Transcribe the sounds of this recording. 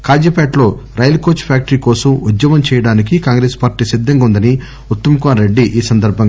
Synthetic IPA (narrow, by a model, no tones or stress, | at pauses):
kaːd͡ʒɐpaːʈlo̞ːɾɐjɐlkoːt͡ʃpʰjaːk̚ʈɐɾiːkɔːsɐmud̪jɐmɐmt͡ʃɛːjɐɽaːnikikaːŋɡɾeːspaːɾʈiːsid̪ʱːɐŋɡund̪ɐni | ut̪ːɐmkaːɾeɖːiʔiːsɐnd̪ɐɾbʱɐŋ